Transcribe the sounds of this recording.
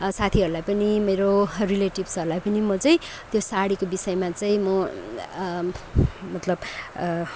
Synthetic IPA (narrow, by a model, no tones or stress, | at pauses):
sat̪ʰiɦʌɾulajpʌnimeɾorileʈibsʌɾulajpʌnimʌt͡sʌĩ | t̪josaɽikobisʌjmat͡sʌĩmʌ | mʌt̪lʌb